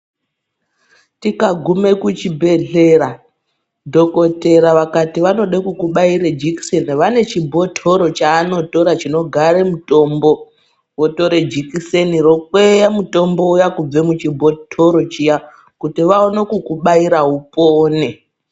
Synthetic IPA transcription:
tikaɡʱume̞kut͡ʃibʱe̞ɮe̞ɾa | dʱo̞ko̞te̞ɾaʋakatiʋano̞ɗekukuɓaiɾed͡ʒiki̥seniʋane̞t͡ʃibʱo̞tʰo̞ɾo̞t͡ʃaːno̞to̞ɾat͡ʃino̞ɡʱaɾemuto̞mbo̞ | woto̞ɾe̞d͡ʒikiseniro̞kwejamuto̞mbo̞ujakub͡ve̞mut͡ʃibʱo̞tʰo̞ɾo̞t͡ʃija | kutiʋaonokukuɓaiɾaupoːne

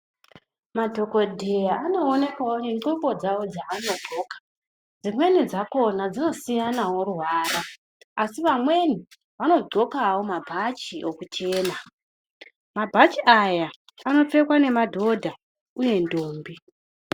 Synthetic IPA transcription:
madʱo̞ko̞dʱejaano̞ːne̞kwawoneŋ͡ǃombo̞d͡zawo̞d͡zaʋano̞ɡʱo̞ːkḁ | d͡zimwe̞nid͡zako̞nad͡zino̞sijanaworuwaːra | asiʋamwe̞ni | ʋano̞ɡ͡ǀʱo̞kawo̞mabʱat͡ʃiʔo̞kut͡ʃe̞ːna | mabʱat͡ʃiʔajaː | no̞te̞kwane̞madʱo̞dʱa | uje̞ndoːmbi

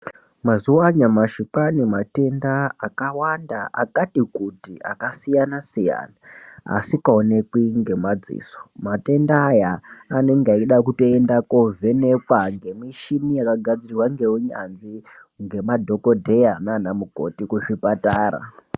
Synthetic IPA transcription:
mazuaɲamaʃipanimate̞ndaːkawandaʔa̰katikutia̰kasijanasija̰ːna̰ːsikaone̞kwiŋɡe̞mad͡zḭːso̥mate̞ndaːjaːne̞ŋɡeaiɗakuto̞endakovʱe̞ne̞kwaŋɡe̞miʃinijakaɡʱad͡zirrwaŋɡe̞wuɲa̰nʐi | ŋɡe̞madʱo̞ko̞dʱe̞jananamuko̞̰tikuʂipataːɾa̰

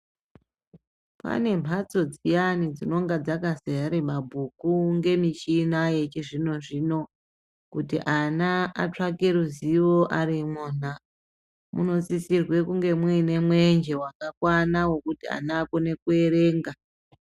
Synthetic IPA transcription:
pa̰ne̞m̤ʱat͡so̞d͡zijanid͡zino̞ŋɡad͡zakaseaɾemabʱukuŋɡe̞mit͡ʃinaje̞t͡ʃiʐino̞ʐino̞ | kutḭʔanaa̰t͡ʂakeɾuziwo̞ʔaɾimuna | muno̞t͡sisirwe̞kuŋɡe̞mwine̞mwe̞nd͡ʒe̞wakakwanawo̞kutia̰naːko̞ne̞kue̞ɾe̞ːŋɡa

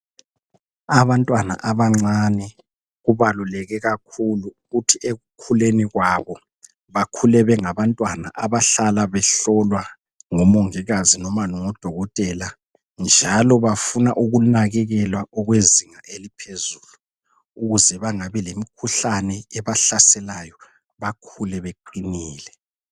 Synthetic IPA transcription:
aβantʼwana̰ʔaβaŋ͡ǀanɛ | ɣuβalulɛɣɛɣakʰuluɣutʰieɣukʰuleniɣwaβɔ | βakʰulɛβɛŋaβantʼwana̰ʔaβaɬalaβɛɬɔlwa | ŋɔmoŋiɣazinɔmanɔŋɔd̥ʱɔɣɔtʼɛla | nd͡ʒʱalɔβafunaʔuɣunaɣɛɣɛlwaʔɔɣweziŋaʔelipʰezuːlu | uɣuzɛβaŋaβɛlemikʰuɬanɛɛβaɬasɛlajɔ | βakʰulɛβeǃiniːlɛ

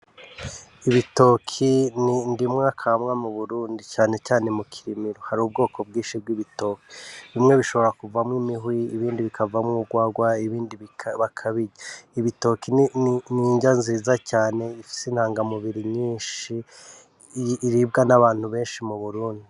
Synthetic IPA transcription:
iβito̞ːkʰinindimŋakʰamŋamuβuɾuːndicaːne̞caːne̞mukʰiɾimiɾohaɾuːbɡo̞ːkʰo̞bɡiːnʃib̚ɡiβito̞ːki̥βimŋe̞βiʃo̞βo̞ɾakuvamŋimiɦwiːβiːndiβikʰavamŋuɡwaːɡwaiβiːndiβikβakʰaβiɾaiβito̞kinniɲɟanziːzacaːne̞ifi̥sin̥haːŋɡamuβiɾiɲiːnʃi | ɾibɡanaβaːn̥huβe̞ːnʃimuβuɾuːndi

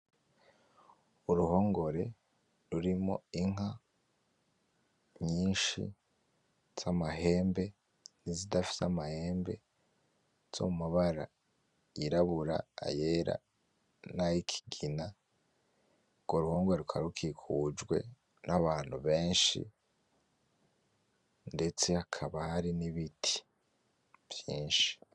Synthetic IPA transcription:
uɾuho̞ːŋɡo̞ɾe̞ | ɾuɾimo̞̰iŋ̥a | ɲiːnʃḭ | z̥amaɦe̞ːmbe̞ | nizidafi̥samahe̞ːmbe̞̰ | z̥o̰mumaβaɾa̰ | jiɾaβuɾa̰ːjeɾa̰ | najikʰi̥ɡina | uɡ̥o̞ɾuhoːŋɡweɾukʰaɾukʰikʰud͡ʒɡwe̞̰ | nʔaβaːn̥huβe̞ːnʃḭ | nde̞t͡se̞hakʰaβahaɾiniβitʰi̥ | v̥jiːnʃi̥

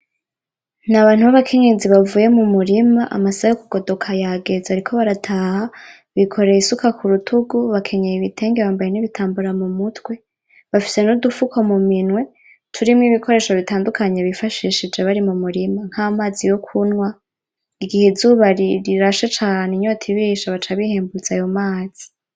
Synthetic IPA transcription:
naβaːn̥huβaβakʰe̞ɲeziβavuːje̞mumuɾimaʔa̰masaajokuɡ̥o̞do̞kʰajaɡe̞zeaɾikʰo̞βaɾatʰaha | βikʰo̞ɾe̞isukakʰuɾutʰuɡuβakʰe̞ɲejiβitʰe̞ːŋɡe̞βaːmbajeniβitʰaːmbuɾamumutwe̞ | βafi̥se̞nudufukʰo̞muminŋwe̞ | tʰuɾimŋiβikʰo̞ɾe̞ːʃo̞βitaːndukaɲe̞βifaʃiʃid͡ʒe̞βaɾimumuɾimaŋ̥haːmaːzijo̞kʰunŋwa | iɡihezuːβaɾiɾiɾaʃet͡ʃaːneɲotʰiβiʃaβat͡ʃaβiheːmbut͡sajo̞maːz̥i̥

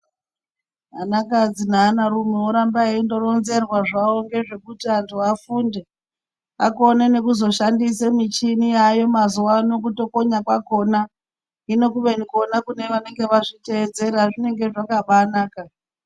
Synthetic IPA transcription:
ɦanakad͡zinaːnaɾumioɾambaindo̞ro̞nze̞rwaʐaoŋɡe̞ʐe̞kutiantʰuafunde | a̰ko̞nene̞kuzo̞ʃandisemit͡ʃiniajo̞mazuwano̞kuto̞ko̞ɲakwako̞na | ino̞kuʋe̞niko̞nakune̞ʋane̞ŋɡe̞ʋaʐite̞ːd͡ze̞ɾaʐine̞ŋɡe̞ʐakaɓanaːka

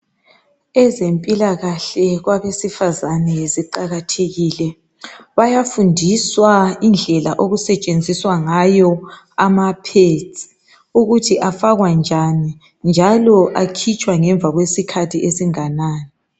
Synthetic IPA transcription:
ɛzempʼilaɣaɬɛɣwaβesifazanɛesiǃaɣatʰeɣilɛ | βajafundʱiswaind͡ɮʱɛlaʔoɣusɛt͡ʃʼend͡zʱiswaŋajɔ | amapʰetʰʼi̥ | uɣutʰiʔafaɣwand͡ʒʱani | nd͡ʒʱalɔʔakʰit͡ʃʼwaŋɛɱb̪vʱaɣwesikʰatʰiesiŋanaːnɛ

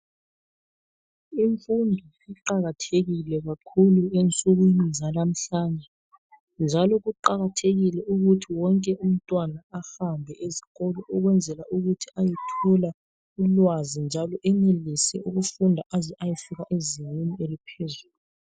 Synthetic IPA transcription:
iɱfundʱɔ | iǃaɣatʰeɣilɛɣakʰuluent͡sʼuɣwinizalam̩ɬaːnd͡ʒʱɛ | nd͡ʒʱalɔɣuǃaɣatʰeɣilɛuɣutʰiwɔŋkʼɛʔum̩tʼwanaahambʱɛʔeziɣɔlɔʔɔɣwɛnd͡zʱɛlaʔuɣutʰiajitʰɔla | ulwazind͡ʒʱalɔʔɛnelisɛuɣufundʱaʔazɛʔajifiɣaʔeziɲenielipʰezuːluu

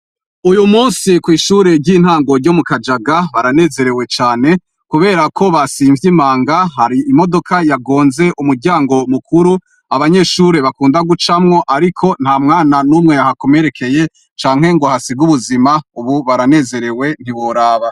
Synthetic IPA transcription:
ujumuːnsikwiːʃuːɾe̞ɾɟiːn̥haːŋɡo̞ɾɟo̞mukad͡ʒaɡaβaɾane̞ːze̞ɾe̞we̞t͡ʃaːne̞ | kuβe̞ːɾakʰo̞βasiːɱvjimaːŋɡaɦaɾiimo̞do̞kʰajaɡo̞ːnze̞ʔumuɾɟaːŋɡo̞mukʰuɾu | aβaɲe̞ʃuːɾe̞βakuːndaɡut͡ʃamŋo̞ʔaɾikʰo̞n̥haːmŋaːnanuːmŋe̞jahako̞me̞ɾe̞kʰe̞je̞ | t͡ʃaːŋ̥he̞ŋɡohasiɡuβuzimauβuβaɾane̞ːze̞ɾe̞we̞n̥iβoɾaːβa

